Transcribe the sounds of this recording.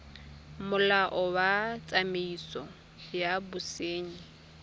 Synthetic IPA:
mʊlaʔɔwat͡sʼameisɔ | jabʊseːɲ̩

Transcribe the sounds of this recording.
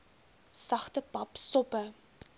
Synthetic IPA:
sɐχtəpɐpsɔpə

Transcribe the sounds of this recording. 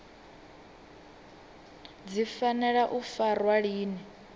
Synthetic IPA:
d͡zifanɛɺaʔufarwaɺiːni

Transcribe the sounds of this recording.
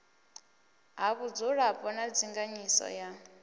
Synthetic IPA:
ɦaβud͡zuɺapʼɔnad͡ziŋɡaɲisɔ̰ja

